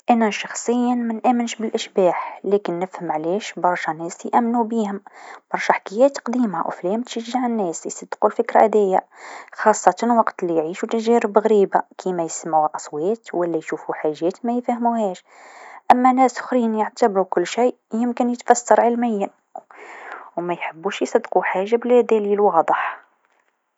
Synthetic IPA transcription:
ʔænæʃɑxsˤəjːanmænʔæmənʃbəlʔəʃbæħlækənːəfhəmʕliʃbɑɾˤʃɑnæslijʔæmːnubihʊmb̥ɑɾˤʃɑħḁkəjːæt̪qd̪imawflæmt̪ʃəʒːaʕənːæsəsɑd̪qulfəkɾæ̰ʔæd̪æjːæxɑsˤːɑt̪ɑnwɑqt̪lijʕiʃut̪æʒæɾəbɣɾibakʰimæjsəmʕuʔɑsˤwæt̪wəlːæjʃufuħaʒːæt̪mæjfæhmuhæʃ | ʔæmːænæsʊ̥xɾinjəʕt̪əbɾukʊlːʃij | jəmkənjət̪fæsːɑɾˤʕalmæjːən | wmæjħəbːuʃjsˤɑd̪ːquħaʒːablæd̪ælilwɑd̪ˤəħ

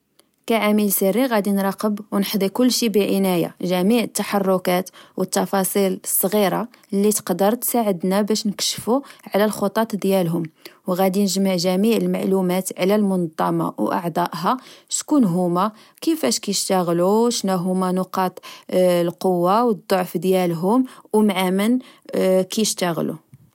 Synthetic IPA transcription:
kæʕamilsərːiɣæd̪inɾˤɑqəbwnħd̪ˤikʊlːʃibəʕənæja̰ʒæmiʕət̪ːaħɑrˤːʊkæt̪wʔət̪ːɑfɑsˤiləsˤːɣiɾˤɑlːit̪ə̥qd̪əɾˤt̪saʕəd̪næbæʃnəkʃfuʕlælxot̪ˤɑt̪ˤd̪jælɦʊmwɣæd̪inəʒmaʕʒæmiʕəlmaʕlumæt̪ʕlælmʊnd̪ˤːɑmɑ̰wʔɑ̰ʕd̪ˤɑʔɦɑʃkunɦʊmæ | kəfæʃkæjəʃt̪æɣluʃnæɦʊmænʊqɑt̪ˤlqowːawəd̪ˤːoʕfd̪jælɦʊmwmʕamən | kæjəʃt̪æɣlṵ

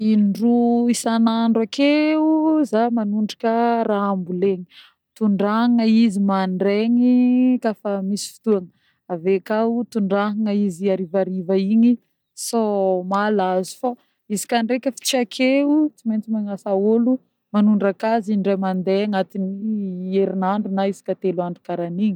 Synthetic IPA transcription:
inɖ͡ʐuisanaɳɖ͡ʐakeuzamanuɳɖ͡ʐḁkəɾaambuleɲi | t̪uɳɖ͡ʐaŋəizimaɳɖ͡ʐeŋikafamisi̥fi̥t̪uaŋə | avekaut̪uɳɖ͡ʐaɦŋəiziaɾivaɾivaiɲi | somalazu̥fa | izi̥kʲaɳɖ͡ʐekʲəfi̥t͡siakʰeut͡siment͡simaŋasaolu | manuɳɖ͡ʐakaziɳɖ͡ʐajmand̪eaŋat̪inieɾinaɳɖ͡ʐunaizi̥kat̪eluaɳɖ͡ʐukaɾaniɲi

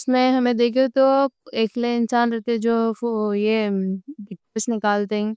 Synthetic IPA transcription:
ʊsmẽɦɐmẽd̪eːkʰiot̪oeːkleɪnsaːnɾɛt̪eɛ̃d͡ʒoːojebɪʈɪsnɪkaːlt̪eɦɛ̃

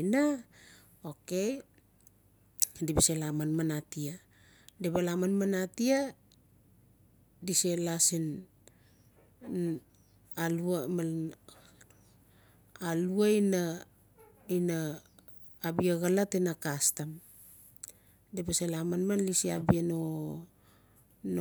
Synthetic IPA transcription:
na | okej | dibeselamanmanatia | deβalamanmanatia | diselasin | aluama | aluaina | inaː | biaɣalatenakastam | debeselamanmanlisiabieno | n

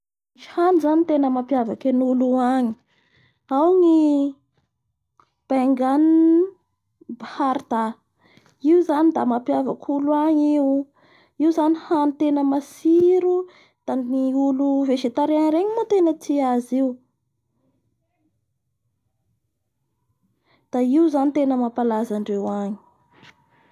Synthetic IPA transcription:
ihanizanit̪enəmapjavakenuluaɲi̥ | awŋi | b̥aŋɡan | bahaɾd̪a | iuzanid̪amapjavakʰuluaŋiw | iwzanihanit̪enəmasiɾu | d̪̥anniuluveʃet̪aɾeanɾeɲimot̪enət̪iaziu | d̪̥aiuzanit̪enəmapalazaɳɖ͡ʐewaɲi̥

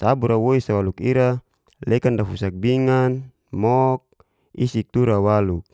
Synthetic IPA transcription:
sabuɾawoisawalukiɾa | lɛkandafusak̚biŋan | mɔk̚ | isik̚t̪uɾawaluk̚

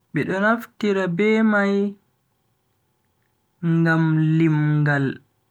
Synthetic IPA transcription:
ɓɛɗɔnaftiɾabɛmaj | ŋɡamlimɡal

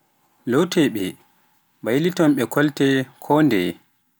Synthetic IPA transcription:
lowtɛɓɛ | bajlitɔmɓɛkʰɔltɛkʰɔndɛ̰

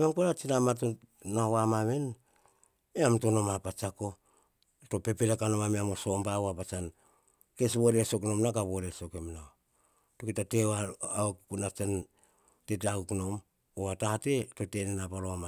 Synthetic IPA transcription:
maŋpoɾat͡ʃinamato | nawamaβen | eamto̞no̞mapat͡ʃako̞ | to̞pe̞peɾakano̞mameamoso̞mbaoapat͡ʃan | ke̞sboɾeeso̞kno̞mnakaβoɾeso̞kemnao | tokitateaaokukunat͡ʃan | tetakukno̞m | oatateto̞te̞nenapaloama

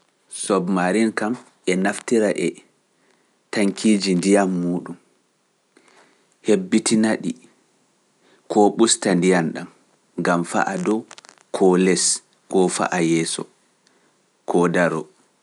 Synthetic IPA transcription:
sɔbmaɾinkam | ɛnaftiɾaʔɛ | taŋkʰiːd͡ʒindijamːuːɗum | hebːitinaɗi | kʰɔɓustandijanɗam | ŋɡamfa̰ʔadɔ | kʰɔlɛs | kɔfa̰ʔajɛːsɔ̰ | kʰɔdaɾɔ̰

